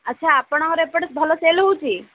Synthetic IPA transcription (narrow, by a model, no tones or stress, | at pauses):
ətːt͡ʃʰaːpəɳ̃aɦɾepəɽbʱəloselɦut͡ʃʰi